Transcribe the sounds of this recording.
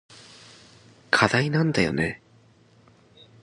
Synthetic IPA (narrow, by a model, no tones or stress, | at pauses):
kʰad̪ainãnd̪ajo̞̰ne